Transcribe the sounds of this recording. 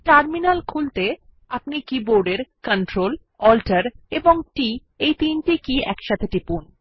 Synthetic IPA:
ʈaɾminalkʰult̪e | apnikiboɾɖeɾkənʈɾol | ɔlʈaɾeboŋʈi | ejt̪inʈikiɛkʃat̪ʰeʈipun

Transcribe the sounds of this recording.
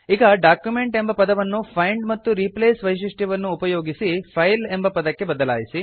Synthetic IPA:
iɡɐɖaːkjume̞ɳʈe̞mbɐpɐd̪ɐʋɐnːupʰɐjɳɖmɐt̪ːuɾipleːsʋɐjʂ̬iʂʈjɐʋɐnːuːpɐjoːɡisipʰɐjle̞mbɐpɐd̪ɐkːe̞bɐd̪ɐla̰ːjisi

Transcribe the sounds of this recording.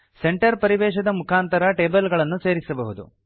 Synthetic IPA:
se̞ɳʈɐɾpɐɾiʋɛːʃɐd̪ɐmukʰaːnt̪ɐɾɐʈeːbɐlɡɐɭɐnːuse̞ːɾisɐbɐɦud̪ṵ

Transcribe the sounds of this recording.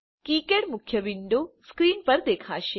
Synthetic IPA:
kikeɽmukʰjəbiɳɖ̪oskɾiːnpəɾd̪ekʰaːʃe

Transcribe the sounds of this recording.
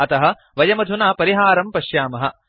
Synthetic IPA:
ɐt̪ɐɦɐ̆ | ʋɐjɐmɐd̪ʱunaːpɐɾiɦaːɾɐmpɐʃjaːmɐɦɐ̰̆

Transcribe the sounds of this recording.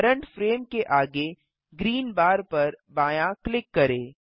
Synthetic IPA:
ɾə̃ɳʈfɾeːmkeʔaːɡe | ɡɾiːnbaːɾpɐɾbaːjaklɪkːɐɾeː

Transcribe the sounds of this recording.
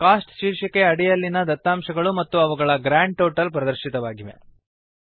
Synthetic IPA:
kaːsʈʃiːɾʂɐke̞ɐɽijɐlːinɐd̪ɐt̪ːaːmʃɐɡɐɭumɐt̪ːuɐʋɐɡɐɭɐɡɾaːɳɖ̚ʈoːʈɐlpɾɐd̪ɐɾʃit̪ɐʋaːɡiʋḛ

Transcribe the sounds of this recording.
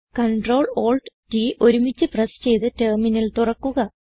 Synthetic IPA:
kɐɳʈro̞ːɭo̞ːɭɖʈiʔo̞ɾumit͡ɕːɨprɐst͡ɕe̞jt̪ɨteːrminilt̪urɐkːuɣɐ

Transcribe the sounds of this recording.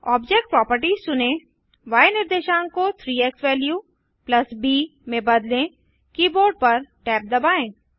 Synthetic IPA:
ɔːbd͡ʒek̚ʈ̚pɾɔːpəɾʈiːzsʊnẽ | ʋaːjenɪɾd̪eːʃãːnkot̪ʰɾiːeksʋɛːlju | plɐsbiːmẽbɐd̪lẽ | kiːboːɾɖ̚pɐɾʈɛːp̚d̪ɐbaːẽː

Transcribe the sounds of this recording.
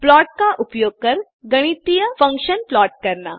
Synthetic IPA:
plɔʈ̚kaʔupjoɡ̚kəɾ | ɡəɽ̃it̪ijəfəŋkʃənplɔʈ̚kəɾɳa̰

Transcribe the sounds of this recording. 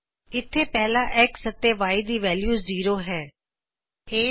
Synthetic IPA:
ɪt̪ʰːeːpɛːlaːʔɛksət̪eːʋaːiːd̪iːʋɛːljuːziːɾoːɦɛː | eː

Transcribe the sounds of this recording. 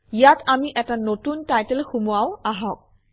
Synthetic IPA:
ijatamiʔɛtanotuntajtɛlxumuawaɦɔk̚

